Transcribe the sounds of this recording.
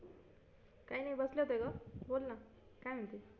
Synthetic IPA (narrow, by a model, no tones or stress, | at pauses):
kãĩnʌjbʌsljot̪ekobolnʌ | kãɦunt̪i